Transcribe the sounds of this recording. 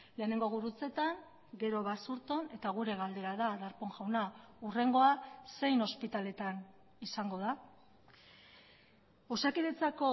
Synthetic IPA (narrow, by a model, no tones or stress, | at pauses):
le̞ːneŋɡo̞ɣ̞uɾut͡se̞t̪aŋ | ɡe̞ɾo̞βasuɾt̪o̞ne̞t̪aɣ̞uɾe̞ɣald̪e̞ɾaðaðaɾpo̞ŋʝawnaure̞ŋɡo̞ase̞jno̞spit̪ale̞t̪an | isaŋɡo̞ð̞a | osakiðet͡sako̞